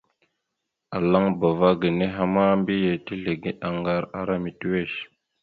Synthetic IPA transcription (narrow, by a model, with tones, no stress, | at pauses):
a˨la˦ŋba˨va˦ɡə˨ne˦ɦa˦ma˦mbi˦je˨ti˦ɮe˨ɡe˦a˨ŋɡa˦ɾa̰˨ɾa˦mi˨twe˦˨ʃ